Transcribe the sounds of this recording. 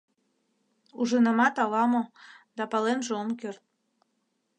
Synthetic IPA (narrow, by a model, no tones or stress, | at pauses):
uʒənəmɑt̪ɑlɑmod̪ɑpɑlenʒeomkørt̪̚